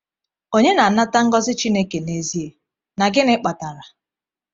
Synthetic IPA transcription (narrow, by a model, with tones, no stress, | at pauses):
o˦ɲe˦na˨n̩˦na˦ta˦ŋ̩˦ɡɔ˦zɪ˦t͡ʃi˦ne˦ke˨ne˨zi˦e˨ | na˨ɡɪ˦nɪ˦k͡pa˨ta˨ɾa˨